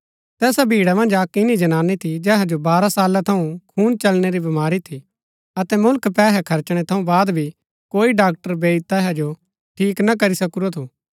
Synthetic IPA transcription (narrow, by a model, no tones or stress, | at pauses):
t̪ɛːsabʱiːɽamɐ̃nd͡ʒaːkɪnid͡ʒɐñaːnit̪ʰid͡ʒɛːɦad͡ʒobaːɾasaːlat̪ʰɐũkʰuːnt͡ʃɐlneɾibɐmaːɾit̪ʰi | ɐt̪ɛmʊlkpɛːɦɛkʰɐɾt͡ʃɽ̃et̪ʰɐũbaːd̪bʱi | koːiɖaːk̚ʈəɾbeːit̪ɛːɦad͡ʒo | ʈʰiːknɐk̬ɐɾisɐkuɾot̪ʰuː